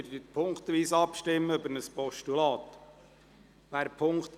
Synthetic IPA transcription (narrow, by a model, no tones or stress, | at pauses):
ɾəpʰʊŋkt̪ʋiːsɑpʃtɪmːəøbəɾnəspɔʃtulɑːt̪ | ʋæːɾpʰʊŋkt